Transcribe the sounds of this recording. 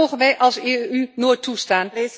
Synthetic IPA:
owχənʋɛjʔɑlˠseynoːjtːustaːn

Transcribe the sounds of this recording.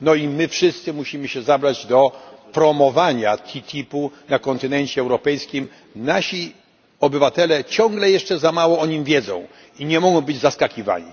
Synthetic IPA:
nɔimɘfʂɘst̪sɘmuɕimɘɕɛzabɾad͡ʑd̪ɔpɾɔmɔvaɲat̪ʲʰit̪ʲʰipunakɔnt̪ɘnɛɲt͡ɕɛːwɾɔpɛjskʲim | naɕi | ɔbɘvat̪ɛlɛt͡ɕɔ̃ŋɡlɛjɛʂt͡ʂɛzamawɔɔɲimvʲjɛd̪zɔ̰̃w̃ | iɲɛmɔɡɔ̃w̃bɘd͡ʑzaskakʲiva̰ɲḭ

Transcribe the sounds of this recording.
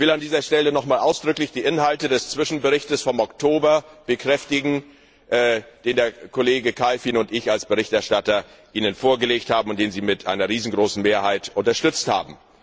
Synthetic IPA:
v̥ɪlandiːzɐʃtɛlənɔχmaːlʔaʊsd̥ʁʏklɪçd̥iːʔɪnɦaltədɛst͡sv̥ɪʃn̩bəʁɪçtəsfɔmɔktʰoːbɐb̥əkʁ̥ɛftɪɡŋ̩ | ʔd̥eːndeːɐkʰoleːɡəkʰaɪfiːnʊntɪçalsb̥əʁ̞ɪçtɛɐʃtatɐ | ʔiːnənfoːɐɡəleːkthaːbm̩ʊnt̚d̥eːnziːmɪtʔa̰ɪnɐʁiːzn̩ɡʁoːsn̩meːɐhaɪtʔʊntɐʃtʏt͡stha̰ːbm̩

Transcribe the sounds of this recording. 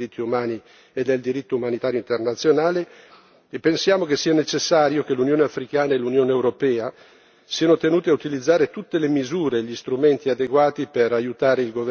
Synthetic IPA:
it̪ʰːiumaːni | ed̪eld̪iɾit̪ːoumanit̪aːɾjoint̪ernat̪sːjonaːle | epːensjaːmokesːiːanet͡ʃesːaːɾjokelunjoːneafɾikaːnaelunjoːneewɾopɛːa | siːanot̪enuːt̪eaut̪ilid̪zːaːɾet̪ut̪ːelemizuːɾeːʎːist̪ɾument̪iad̪eɡwaːt̪ipeɾajut̪aːɾeilɡov

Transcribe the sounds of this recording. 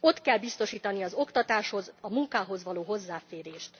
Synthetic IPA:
o̞t̪kɛlbist̪o̞ʃiːt̪ɒniɒzo̞kt̪ɒt̪aːʃho̞zɒmuŋkaːɦo̞zʋɒloːɦo̞zːaːfeːɾeːʃt̪

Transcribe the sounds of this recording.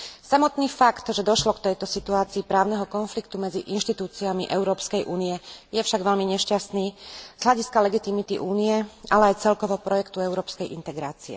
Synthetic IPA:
samɔt̪niːfakt̪ʒɛd̪ɔʃlɔkt̪ɛjt̪ɔsit̪uaːt͡siːpɾaːʊnɛɦɔkɔnflikt̪umɛd͡ziʔinʃt̪it̪uːt͡siamiʔɛʊɾɔːpskɛjʔuːniɛjɛfʃaɡʋɛlmiɲɛʃcast̪niːz̥ɦlaɟiskalɛɡit̪imit̪iʔuːnijɛʔalɛajt͡sɛlkɔʋɔpɾɔjɛkt̪uɛʊɾɔːpskɛjʔint̪ɛɡɾaːt͡siɛ̰

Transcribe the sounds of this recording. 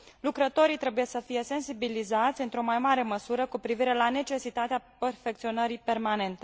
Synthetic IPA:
lukɾət̪o̞ɾit̪ɾe̞bujesəfije̞se̞nsibilizat̪sʲɨnt̪ɾo̞majmaɾe̞məsuɾəkupɾiviɾe̞lane̞t͡ʃe̞sit̪at̪eaperfe̞k̚t̪sio̞nəɾipe̞rmane̞nt̪e

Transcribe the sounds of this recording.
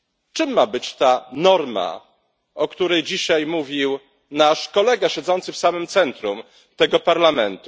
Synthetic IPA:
t͡ʂɘmːabɘt͡ɕt̪anɔɾma̰ | ɔkt̪uɾɛjd͡ʑiɕajmuvʲiw | naʂkɔlɛɡaɕɛd̪zɔnt̪sɘfsamɘmt̪sɛnt̪ɾum | t̪ɛɡɔpaɾlamɛnt̪u

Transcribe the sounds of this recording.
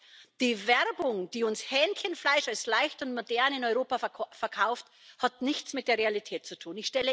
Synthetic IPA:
d̥iːvɛʁbʊŋd̥iːʊnshɛːntçənflaɪʃalslaɪçtʊntmodɛɐnɪnɔʏʁoːpafɛɐkʰaʊft | hatnɪçt͡smɪt̚d̥eːɐʁealitʰɛːt̚t͡sutʰuːnɪçʃtɛlə

